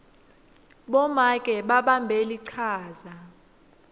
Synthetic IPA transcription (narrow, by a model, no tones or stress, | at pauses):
ɓɔmakʼɛɓaɓambʱeliǀʰaːza